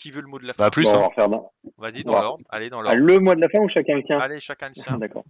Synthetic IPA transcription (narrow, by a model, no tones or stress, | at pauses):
bapỹvɔ̰ʁfɛʁd̪ɑ̰̃va̰a̰ləmwad̪əlafɛ̃uʃakʲɛ̃lət̪jɛ̃ | d̪akɔ̰ːʁ